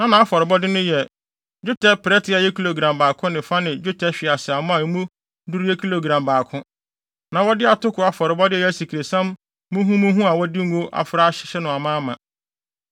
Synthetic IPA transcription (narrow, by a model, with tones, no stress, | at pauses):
nã˦nã˨a˦fɔ˨ɾɪ˨bɔ˦dɪ˦nʊ̃˦jɛ˨ | d͡ʒᶣu˦tʰɛ˦pɛ˦tʰɪ˦a˨jɛ˦kʰi˦lo˨ɡɾã˨mbaː˨kʰʊ̃˦nɪ̃˨fa˦nɪ̃˨d͡ʑu˦tʰɛ˦ɕᶣɪ˨a˨sɪ˨a˨mʊ̃˦a˨˦mũ˦ | du˦ɾi˦ɛ˦kʰi˦lo˨ɡɾã˨mbaː˨kʰʊ̃˦ | nã˨wɔ˦dɪ˦a˨tʊ˦kʰʊ˨a˨fɔ˨ɾɪ˨bɔ˦dɪ˦ɛ˦˨ɛ˨æ˦si˨kʰi˨ɾe˨sã˦m | mũ˦ɦũ˦mũ˦ɦũ˦a˨wɔ˦dɪ˦ŋ̩˦o˦ʔa̰˨fɾa˦ɕɪ̥˨˦ɕɛ˦nʊ̃˨a˨mãː˦mã̰˨